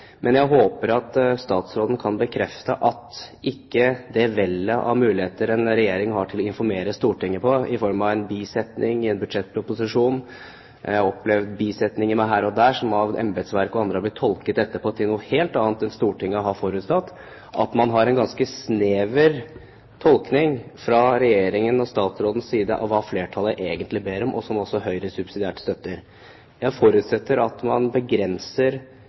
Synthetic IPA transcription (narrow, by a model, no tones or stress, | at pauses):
mʔɛnjæɪɦoːpəɾɑt̪st̪ɑːt̪sɾoːd̪n̩kʰɑnbəkʰɾɛft̪əʔɑt̪ʔɪkːəd̪ɛʋɛlːəʔɑ̰ɾmʉːlɪheːt̪əɾɛnɾɛjeːɾɪŋɦɑʈʰɪlɔɪnfɔɾmeːɾəst̪uːʈɪŋːəpʰɔɪfɔɾmɑʋɛnbiːsɛt̪nɪŋɪɛnbʉd̪ʂɛt̪̚ːpʰɾʊpʊsɪʂuːn | jæhɑɔplɛʋd̪biːsɛt̪nɪŋɪmæɪɦæːɾɔd̪æːʂɔmɑʋʔɛ̰mbəd̪sʋæɾkɔɑnd̪ɾəhɑb̪ɪt̪ʰːɔlkət̪ɛt̪ːəpʰɔt̪ʰɪlnuːəheːlt̪ɑːnt̪ɛnst̪uːʈɪŋːəɔɦɑfɔɾʉːt̪st̪ɑt̪ː | ʔɑ̰t̪mɑnɦɑɾɛnɡɑnskəsneːʋəɾ | t̪ʰɔlknɪŋfɾɑɾɛjeːɾɪŋənɔst̪ɑːt̪sɾoːd̪n̩ssiːd̪əʔɑ̰ʋːɑfleːʈʰɑlːəʔeːɡənt̪lɪbeːɾɔmʔɔ̰sɔmɔsɔɦœʏɾəsʉb̥sɪd̪ɪæːʈə̥st̪œt̪ːəɾ | jæɪfɔɾʉt̪sɛt̪ːəɾɑt̪mɑnbəɡɾɛnsəɾ